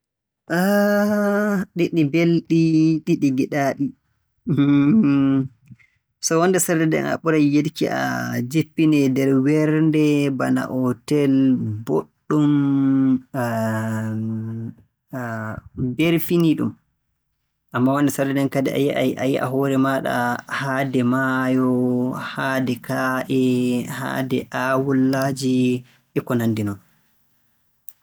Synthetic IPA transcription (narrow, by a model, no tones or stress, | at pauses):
ʔa | ɗiɗibelɗiɗiɗiɡɛɗaɗi | sɔwɔnːdɛsaɾdɛdɛ̰na̰ɓuɾajjedkiʔa̰d͡ʒepːinɛdɛɾwɛɾndɛbana̰ʔɔtɛlboɗːum | beɾfiniɗṵm | ʔamːawandɛsadɛnɛnkadɛajaʔajiʔa̰ɦɔːɾɛmaɗa̰haːdɛmajɔhaːdɛkʰaʔɛha̰dɛʔawulːaːd͡ʒi | ʔɛkɔnandinɔn